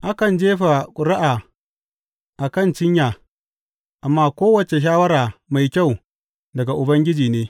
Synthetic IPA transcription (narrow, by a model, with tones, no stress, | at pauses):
ʔa˦kɐ˨nd͡ʒeː˦ɸa˨kʷʼʊ˨ɾɪ˦ʔaː˨ | ʔa˨kɐ˦˨nt͡ʃɪ˦ɲjaː˨ | ʔa˨mːaː˦kʷoː˦wɐ˨t͡ʃe˨ʃ̬aː˦wɐ˦ɾaː˨ma˨jkʲa˦˨w | dɐ˨ɡa˨ʔʊ˨bɐ˦ŋɡʲɪ˦d͡ʒiː˨neː˦